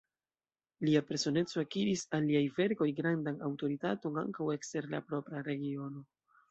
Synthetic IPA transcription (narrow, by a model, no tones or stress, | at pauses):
liape̞ɾso̞ne̞t͡so̞akiɾisalːiajve̞ɾko̞jɡɾandanawto̞ɾitato̞na̰ŋkawe̞kste̞ɾla̰pɾo̞pɾaɾe̞ɡio̞no̞